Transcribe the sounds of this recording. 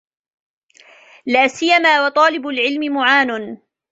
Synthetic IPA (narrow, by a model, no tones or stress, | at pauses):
laːsɪjːamaːwɑt̪ˤɑːlɪbʊlʕɪlmɪmʊʕaːnʊn